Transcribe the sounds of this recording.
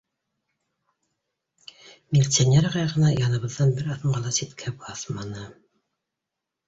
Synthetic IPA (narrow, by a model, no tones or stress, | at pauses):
mʲɪlʲt̪sʲonʲeɾʁɑjʁɤ̆nɑjɑnɤ̆βɤ̆ðːɑnbɘɾɑθɤɴɢɑlˠɑsit̪kʰæbɑθmɑnɤ